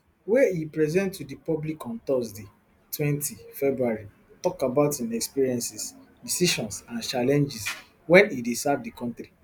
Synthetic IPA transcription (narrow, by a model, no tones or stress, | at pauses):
wɛipɹɛzɛ̃ntːudipɔblikɔ̃nt̪ɔsde | twɛ̃ntʰifɛbɹuaɹi | tɔkabaʊtĩnɛkspiɹiɛ̃nsisdisiʃɔ̃nsãnt͡ʃalɛ̃nd͡ʒis | wɛ̃nidesavdikɔ̃ntɾi